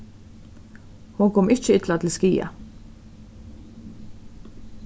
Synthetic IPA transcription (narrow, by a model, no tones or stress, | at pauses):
hʊŋkʰɔmɪçəɪt̪lat̪ʰɪl̩skiːa̰